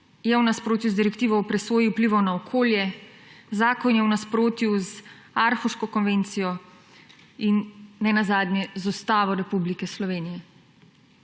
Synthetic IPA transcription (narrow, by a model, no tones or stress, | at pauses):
jɛwnaspɾoːt̪juzd̪iɾɛkt̪iːʋɔɔpɾɛsʋoːjiupliʋɔwnaɔkʰoːljɛzaːkɔnjɛwnaspɾoːt̪juz | aɾxuʃkɔkɔnʋeːnt̪sijɔ | inːɛnazaːd̪nʲjɛzɔst̪aːʋɔɾɛpublikɛslɔʋeːnijɛ